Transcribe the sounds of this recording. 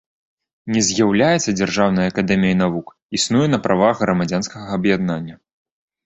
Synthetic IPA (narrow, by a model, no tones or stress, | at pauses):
nʲɛzʲjawlʲajɛt̪sːɐd͡zʲarʐawnɐjɐɐkad̪ɛmʲijɐjnavuk | isnujɛnɐpɾʔavaɣɣɾɐmad͡zʲanskɐɣɐɐbjad̪nanʲːɐ